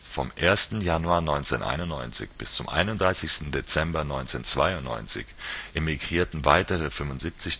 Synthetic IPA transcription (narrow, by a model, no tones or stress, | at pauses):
fɔ̰mʔeːɐstn̩januaːɐnɔʏnt͡sḛːnʔa̰ɪnʊntnɔʏnt͡sɪ̰çb̥ɪst͡sʊmʔa̰ɪnʊntd̥ʁaɪsɪçstn̩det͡sɛmbɐnɔʏnt͡seːnt͡sv̥a̰ɪʊntnɔ̰ʏnt͡sɪ̰çʔemiɡʁiːɐtn̩vaɪtəʁ̞əfʏmvʊntz̥iːp̚t͡sɪç